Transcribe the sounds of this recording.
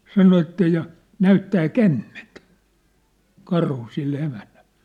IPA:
sɑno etːæ jɑ næytːæː kæmːent kɑrhu silːe emænːæl̥ːe̥

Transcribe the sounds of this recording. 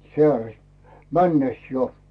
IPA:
sĕæˑrest mænːes jo

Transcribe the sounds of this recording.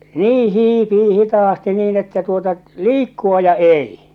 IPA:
niː hiːpiː hitɑːsti niːn etːæ tuotɑ liːkːuɑ jɑ ei

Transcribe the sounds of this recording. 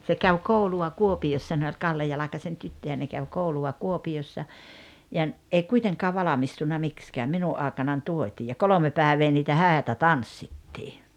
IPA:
se kæw kouluɑ kuopiosːɑ ne olʲ kɑlːe jɑlɑkɑsen tytːøjæ ne kæʋ kouluɑ kuopiosːɑ jɑ n ʔei kuiteŋkɑː ʋɑlɑmistunːɑ mikskæːm minuʔ ʔɑˑekɑnɑn tuotʲiː jɑ kolome pæːĕʋeː niːtæ hæˑetæ tɑnsːitːiː

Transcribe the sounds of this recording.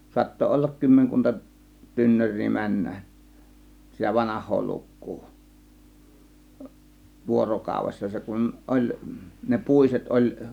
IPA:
suɑtːo olːɑk kymːeŋkuntɑ tynːørˑiː mænːæʔ sitæ ʋɑnɑhˑoː lukːuː ʋuorokɑˑuʋesːɑ se kun olʲ ne puˑiset olʲ

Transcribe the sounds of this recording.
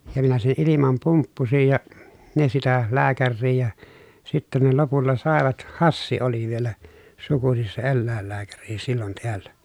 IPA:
jɑ minæ sen ilimɑm pumpːusij jɑ ne sitæ læːkærːiː jɑ sitːen ne lopulːɑ sɑˑeʋɑt hɑsːi oli ʋielæ sukusis se elːæˑelːæːkæri silːon teælːæ

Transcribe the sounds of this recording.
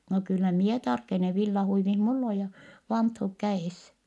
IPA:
no kylːæ mie tɑrkene ʋilːɑhuiʋih mulː o jɑ ʋɑnthuk kæeˑs

